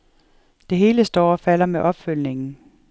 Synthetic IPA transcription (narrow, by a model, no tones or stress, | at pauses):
d̥e̝ɦe̝ːləsd̥ɒ̰ːɒ̽fæl̰ɐmeʔɒ̽b̥føl̰ne̝ŋn̩